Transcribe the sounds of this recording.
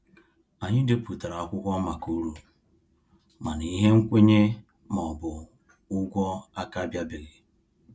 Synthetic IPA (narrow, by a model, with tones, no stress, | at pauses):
a˨ɲɪ˦de˨pu˨ta˨ɾa˨a˨kʷʊ˦kʷɔ˦ma˨ku˦ɾu˨ | ma˨ni˨˦ɦe˦ŋ̩˦kʷe˦ɲe˦ | m˨ɔ˨bʊ˨ | ʊ˦ɡʷɔ˦a˦ka˦bja˦bɪ˨ɣɪ˨